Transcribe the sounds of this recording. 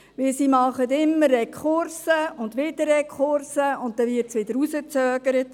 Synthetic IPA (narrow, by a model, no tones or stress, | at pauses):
ʋɪlsimɑχətɪmːəɾːɛkχʊɾsəʊndʋɪdəɾɛkχʊɾsəʊnt̚tɛʋɪtsʋɪd̪əɾusət͡sœːɡ̥əɾət